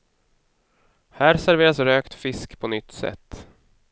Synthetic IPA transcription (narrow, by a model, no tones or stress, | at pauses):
hæːɾsæɾveːɾasɾøːkt̪fɪskpʰɔnʏt̪ːsɛ̰t̪ː